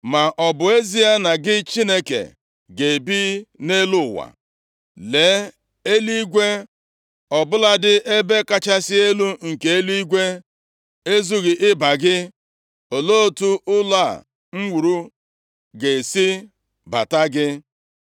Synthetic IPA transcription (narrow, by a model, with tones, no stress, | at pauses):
ma˨ʔɔ˨bʊ˨e˦zi˦a˦na˨ɡɪ˦t͡ʃi˦ne˦kḛ˨ | ɡe˨bi˦ne˦lʊ˦˨wa̰˨ | le˨˦ | e˦li˦ɡʷe˦ | ɔ˨bʊ˦la˦dɪ˦ʔe˦be˦ka˦t͡ʃa˦sɪ˦e˦lu˦ŋ̩˨ke˨e˦li˦i˦ɡʷe˦ | e˦zu˦ɣɪ˨ʔɪ˦ba˨ɡɪ˦ | o˨lo˦o˦˨tu˦ʊ˦la˦˨ | m̩˦wu˨ɾu˦ | ɡe˨si˦ | ba̰˨ta˦ɡɪ˦